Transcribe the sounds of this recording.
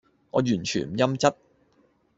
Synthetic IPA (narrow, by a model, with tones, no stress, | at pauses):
ŋɔ̰ː˨˧jyː˨˩nt͡ʃʰy̰ː˨˩nm̩˨˩jɐ˥mt͡sɐ˥t̚